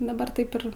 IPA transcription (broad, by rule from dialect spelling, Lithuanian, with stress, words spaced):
dɐˈbɐr ˈtɐɪp ɪr